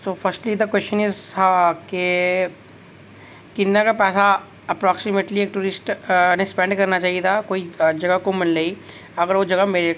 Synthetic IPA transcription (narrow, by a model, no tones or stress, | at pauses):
toːfʰɐɾsʈlid̪ɐkwɛst͡ʃənɪzt̪ʰake | kɪnːakapɛːsa | ɐpɾɔːksɪmeʈlieːk̚ʈuːɾɪsʈnespɛ̃ɳɖkɐɾnat͡ʃaːɦiet̪ʰakoːid͡ʒɐɡəkomɪllei | ɐɡəɾʋod͡ʒɐɡəmeɾe